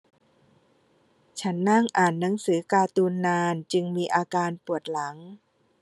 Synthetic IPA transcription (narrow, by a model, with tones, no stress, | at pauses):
t͡ɕʰa˦˥nːa˥˩ŋʔaː˨˩nːa˩˦ŋsɯː˩˦kaː˧t̪uː˧nːaː˧nt͡ɕɯ˧ŋmiː˧ʔaː˧kaː˧npu˨˩ət̪̚la˩˦ŋ